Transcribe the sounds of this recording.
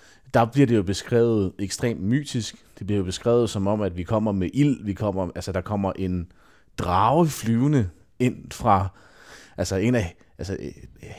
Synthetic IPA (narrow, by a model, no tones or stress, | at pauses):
d̥ɑ̈b̥liɐd̥e̝jo̝b̥e̝sɡ̥ʁɛ̰ːʊð̞̩ˠeɡ̥sd̥ʁḛːmd̥my̰ːd̥isɡ̥d̥e̝b̥liɐjo̝b̥e̝sɡ̥ʁɛ̰ːʊð̞̩ˠsɒ̽mɒ̽m̰æd̥ʋikʰɒ̽m̰ɐmeʔil̰ʋikʰɒ̽m̰ɐælsəd̥ɑ̈kʰɒ̽m̰ɐʔe̝n | d̥ʁɑ̈ʊəflyːʊnə | e̝n̰fʁɑ̈ | ælsəe̝næ | ʔælsə